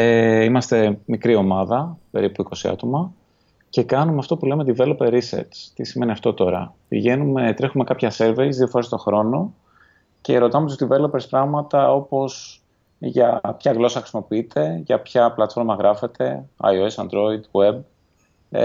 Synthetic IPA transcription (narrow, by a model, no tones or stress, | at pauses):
eimɐst̪e̞mikɾio̞mɐðɐpe̞ɾipuiko̞siɐ̰t̪o̞mɐ | ce̞kɐnumeɐft̪o̞pulemet̪ivelopeɾisḛɾt͡st̪isime̞niɐft̪o̞t̪o̞ɾɐ̰pḭʝe̞nume̞t̪ɾe̞xume̞kɐpçɐse̞ɾveizðiofoɾe̞st̪o̞xɾo̞no̞ | ce̞ɾo̞t̪ɐmet̪ust̪ive̞lopeɾspɾɐɣmɐt̪ɐo̞po̞s | ʝɐpçɐɣlo̞sɐxɾisimo̞piit̪ʰe̞ʝɐpçɐplɐt̪fo̞ɾmɐɣɾɐfe̞t̪e̞ɐ̰joesɐ̰nd̪ɾo̞id̪we̞b̚